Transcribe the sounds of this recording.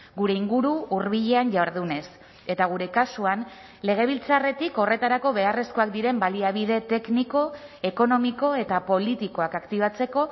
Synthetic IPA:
ɡuɾe̞iŋɡuɾuːrβiʎe̞anʝawɾð̞une̞s | e̞t̪aɣ̞uɾe̞kasuan | le̞ɣ̞e̞β̞ilt͡sare̞t̪iko̞re̞t̪aɾako̞βe̞are̞sko̞akd̪iɾe̞mbaliaβ̞ið̞e̞t̪e̞kniko̞ | e̞ko̞no̞miko̞e̞t̪apo̞lit̪iko̞akakt̪iβ̞at͡se̞ko̞

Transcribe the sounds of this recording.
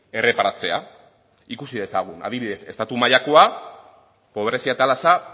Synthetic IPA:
e̞re̞paɾat͡se̞a̰ | ikusiðe̞saɣ̞una̰ðiβiðe̞se̞st̪at̪umaʎakoa | po̞β̞ɾe̞siat̪alasa

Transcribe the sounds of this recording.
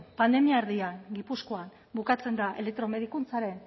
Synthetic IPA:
pand̪e̞miaeɾðiaŋɡipusko̞an | bukat͡se̞nd̪aʔḛle̞k̚t̪ɾo̞me̞ð̞ikunt͡saɾe̞n

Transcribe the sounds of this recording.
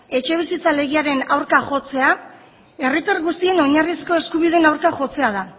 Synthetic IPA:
e̞t͡ʃe̞β̞isit͡sale̞ɣ̞iaɾe̞nawɾkaʝo̞t͡se̞a | e̞rit̪aɾɣust̪ie̞no̞ɲarisko̞eskuβiðe̞nawɾkaʝo̞t͡se̞að̞a

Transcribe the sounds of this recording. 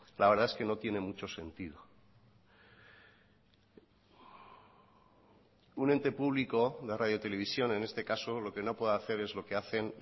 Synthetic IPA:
laβe̞ɾð̞aeske̞no̞t̪je̞ne̞mut͡ʃo̞se̞nt̪iðo | une̞nt̪e̞puβliko̞ðerað̞jot̪e̞le̞β̞isjo̞ne̞ne̞st̪e̞kaso̞lo̞ke̞no̞pweðaθe̞ɾe̞zlo̞ke̞aθe̞n

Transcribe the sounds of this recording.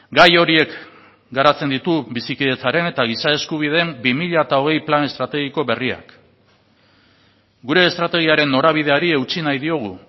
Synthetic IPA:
ɡajo̞ɾie̞k | ɡaɾat͡se̞nd̪it̪ubisikiðe̞t͡saɾe̞ne̞t̪aɣ̞isae̞skuβ̞ið̞embimiʎat̪ao̞ɣ̞e̞jplane̞st̪ɾat̪e̞ɣ̞iko̞βe̞ria̰k | ɡuɾe̞ːst̪ɾat̪e̞ɣ̞iaɾe̞nːo̞ɾaβ̞ið̞e̞aɾie̞wt͡sinajðio̞ɣ̞u

